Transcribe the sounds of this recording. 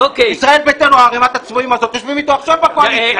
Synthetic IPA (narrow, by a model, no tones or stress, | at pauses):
okeisʁae̞lbet̪enuaːʁemat̪at͡smoimazo̞t̪joʃvimit̪oaχʃavbakoan